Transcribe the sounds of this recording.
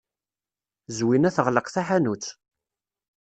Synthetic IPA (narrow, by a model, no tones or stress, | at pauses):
zwinæθəʁləqθaħanut͡sː